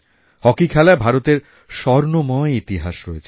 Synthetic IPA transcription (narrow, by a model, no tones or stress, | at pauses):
hɔkikʰɛlaebʱaɾot̪eɾ | ʃɔɾnomɔeit̪iɦaʃɾɔet͡ɕʰe